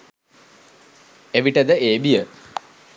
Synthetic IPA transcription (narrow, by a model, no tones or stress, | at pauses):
eʋiʈːed̪ɨeːbijə